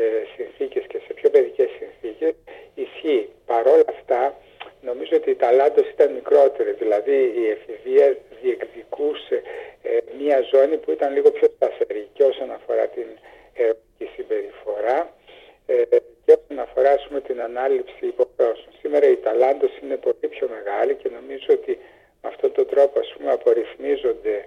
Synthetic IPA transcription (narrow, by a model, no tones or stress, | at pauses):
sinθice̞sce̞se̞pço̞pe̞ðice̞sːinθice̞sisçipɐɾo̞lɐft̪ɐ | no̞mizoot̪iːt̪ɐlɐnd̪o̞si̥t̪ɐnmikɾo̞t̪e̞ɾizðilɐðiːefiviɐðie̞kðikuse | mɲɐzo̞nipuit̪ɐnliɣo̞pço̞st̪ɐθe̞ɾicioso̞nɐfo̞ɾɐt̪in | eɾonicisimbe̞ɾifo̞ɾɐ | ceo̞so̞nɐfo̞ɾɐːspume̞t̪inɐnɐlipsiːpo̞xo̞sonsime̞ɾɐit̪ɐlɐnd̪o̞sine̞po̞lipço̞me̞ɣɐlice̞no̞mizoot̪i | meɐft̪o̞nt̪o̞nd̪ɾo̞poɐspume̞ɐpo̞ɾiθmizo̞nd̪e̞